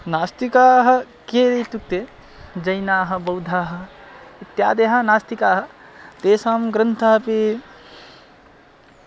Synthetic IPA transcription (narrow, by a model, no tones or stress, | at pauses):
naːst̪ikaːɦɐ̆ | keɾejt̪uk̚t̪e | d͡ʒɐjnaːɦɐ̆bɐwd̪ʱaːɦɐ̆it̪ja̰ːd̪eɦanaːst̪ikaːɦɐ̆ | t̪eːsaːmɡɾɐnt̪ʰaɦpi